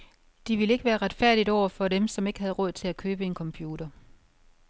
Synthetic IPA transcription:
d̥iʋiləe̝ɡ̥əʋæːɐʁɑd̥fæɐ̰d̥idɒʊ̰ɐfɒ̽demsɒ̽me̝ɡ̥əɦæð̞̩ˠʁɔ̽ð̞̰ˠt͡sʰe̝lækʰøːb̥əe̝nkʰɒ̽mpʰjuːɾɐ

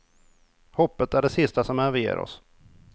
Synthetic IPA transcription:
hɔpːət̪æɖɛsɪst̪asɔmæɾvɪjḛːɾɔ̰s

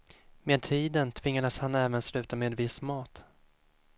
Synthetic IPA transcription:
meːd̪̚t̪ʰiːd̪ənt̪ʰvɪŋːad̪əshanɛːvənslʉ̟ːt̪ameːd̪vɪsmɑːt̪

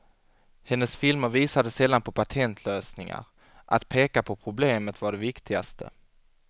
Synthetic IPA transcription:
hɛnːəsfɪlməɾviːsad̪əsɛlːanpʰɔpʰat̪ʰɛnt̪ʰløːsnɪŋa̰ɾ | ʔat̪pʰeːkapʰɔpʰɾʊbleːmət̪vaɖɛvɪkt̪ʰɪɡa̰st̪ʰə̰

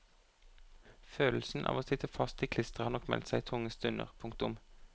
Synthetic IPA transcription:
føːll̩sn̩ʔɑ̰ːʋoːsɪt̪əfɑst̪iːkʰlɪst̪əʁhɑːnɔkmɛ̰lt̪sæɪt̪ʰʊŋəst̪ʉnə̰ʁpʰʊŋk̚t̪ʊm

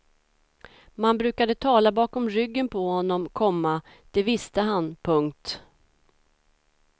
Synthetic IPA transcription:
manbɾʉ̟ːkad̪ət̪ʰɑːlabɑːkɔmɾʏɡːənpʰɔhɔnːɔmkʰɔmːa | d̪̥ɛvɪst̪əɦanpʰɵŋkt̪

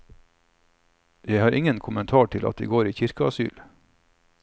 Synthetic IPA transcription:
jæɪhɑːɾʔɪŋənkʰʊmənt̪ʰɑːʈʰɪlɑ̰t̪̚d̪ɛ̰ɡoːɾiːçɪɾkəɑsy̰ːl

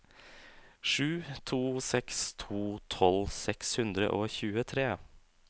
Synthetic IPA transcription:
ʂʉːt̪ʰuːsɛkst̪ʰuːt̪ʰɔlsɛkshʉnd̪ɾə̰ʔoːçʉːət̪ʰɾeː

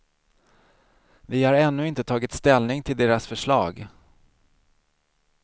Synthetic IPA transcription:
vɪhaɾɛnːɵɪnt̪ət̪ʰɑːɡɪt̪st̪ɛlnɪŋt̪ʰɪld̪eːɾasfœʂɭɑːɡ

